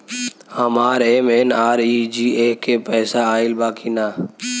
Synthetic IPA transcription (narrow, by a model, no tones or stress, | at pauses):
hamaːɾeːmeːnaːɾiːd͡ʒiːeːkːeːpɛːsaːaːɪlbaːkʰiːnaː